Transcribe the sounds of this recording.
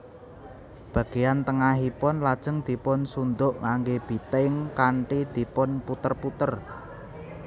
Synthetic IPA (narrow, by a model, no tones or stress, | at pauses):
b̥ä̤ɡ̥e̤jant̪əŋaɦipɔnlad̥ʒ̥ə̤ŋd̪̥i̤pʊnsund̪ʊʔŋaŋɡeb̥i̤t̪eŋkaɳʈid̪̥i̤pɔnput̪ərput̪ər